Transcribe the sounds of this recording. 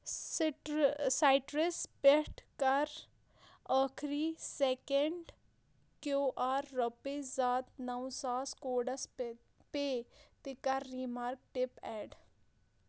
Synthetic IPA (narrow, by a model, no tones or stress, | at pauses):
ʈsaːɪʈɾɪspeʈkɐɾ | aːkʰɾiseːkeɳɖ | kjoːʔaːɾːəpezaːt̪nɐwsaːskoːɖəs | pet̪ɪkaɾːiːmaːɾk̚ʈɪpɛːɖ